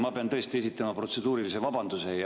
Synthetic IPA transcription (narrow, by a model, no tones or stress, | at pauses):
mɑpeɑnt̪ɤ̞est̪ie̞s̬it̪ːˑɑmɑpro̞t̪se̞d̪uːɾilise̞vɑbɑnd̪use̞jɑ